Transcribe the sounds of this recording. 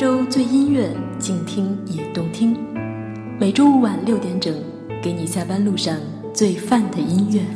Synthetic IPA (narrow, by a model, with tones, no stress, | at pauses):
ʈ͡ʂo˥ʊt͡swe˥˩ɪi˥nɥɛ˥˩t͡ɕi˥˩ŋt̪ʰi˥ŋi˨˩t̪ʊ˥˩ŋt̪ʰi˥ŋ | me˨˩ɪʈ͡ʂo˥ʊ˩wa˨˩nljo˥˩ʊt̪jɛ˧˥nʈ͡ʂɤ˨˩˦ŋ | ke˧˥ɪni˨˩ɕja˥˩pa˥nlu˥˧ʂɑ˥˧ŋ | t͡swe˥˧ɪfa˥˩nd̪ə˩i˥nɥɛ˥˩